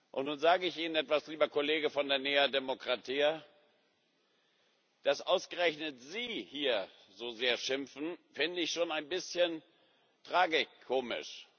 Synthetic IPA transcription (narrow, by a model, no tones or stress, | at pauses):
ʔʊ̰ntnuːnzaːɡəɪçʔiːnənʔɛtv̥asliːbɐkʰoleːɡəfɔndeːɐneːɐdemokʁ̥atʰiː | d̥asʔaʊsɡ̥əʁɛçnətz̥iːhiːɐ | zoːzeːɐʃɪmfn̩fɪndəɪçʃoːnaɪnbɪsçən | tʁ̥aːɡɪkʰːoːmɪ̰ʃ